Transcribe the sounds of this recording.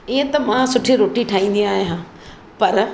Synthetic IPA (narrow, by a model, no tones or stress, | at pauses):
iə̃t̪ɐmãːsʊʈʰiɾoːʈiʈʰaːĩːn̆d̪iaːɦjɦãː | pɐɾ